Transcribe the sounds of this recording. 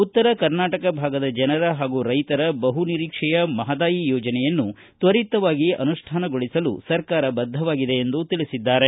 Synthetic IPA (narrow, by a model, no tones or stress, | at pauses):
ut̪ːɐɾɐkɐɾnaːʈɐkɐbʱaːɡɐd̪ɐd͡ʒɐnɐɾɐɦaːɡuɾɐjt̪ɐɾɐbɐɦuniɾiːkʂɛjɐmɐɦɐd̪aːjijɔːd͡ʒɐnɛjɐnːu | t̪ʋɐɾit̪ɐʋaːɡiɐ̰nuʂʈʰaːnɐɡoɭisɐlṵsɐɾkaːɾɐbɐd̪ʱɐʋaːɡid̪e̞ːnd̪ut̪iɭisid̪ːaːɾe̞